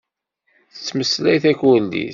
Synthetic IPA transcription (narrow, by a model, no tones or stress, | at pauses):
θə̥t͡sːməslæjθæçwənd̪ḭ